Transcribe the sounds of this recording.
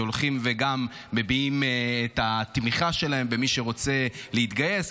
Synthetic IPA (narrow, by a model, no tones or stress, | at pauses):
olχimveɡamːe̞biimːt̪at̪miχaʃe̞lae̞mbemiʃe̞ʁo̞t͡se̞leit̪ɡaje̞s